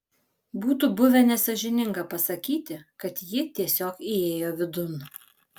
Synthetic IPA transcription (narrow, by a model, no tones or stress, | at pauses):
buːt̪uːbʊʋʲɛnʲɛsɐʒʲɪnʲɪŋɡɐpɐsɐkʲiːt̪ʲɪkɐt̪jɪt̪ʲiɛsʲoːkieːjoːʋʲɪd̪ʊn